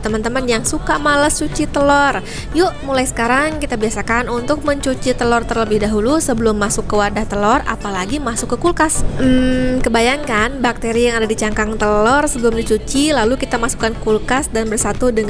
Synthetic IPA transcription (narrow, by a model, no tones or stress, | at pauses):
t̪əmənt̪əmənjaŋsukamaləst͡ʃut͡ʃit̪əlɔr | jʊʔmulajsə̥kaɾaŋkit̪abiasakanunt̪ʊk̚məɲt͡ʃut͡ʃit̪əlɔrt̪ərləbɪhdaɦulusəbəlʊmːasʊkːəwardaht̪əlɔra̰palaɡimasʊkːəkulkasm̩kəbajaŋkanbak̚t̪eɾijaŋadadit͡ʃaŋkaŋt̪əlɔrsəbəlʊmdit͡ʃut͡ʃilalukit̪amasu̥kankulkasdanbərsat̪udəŋ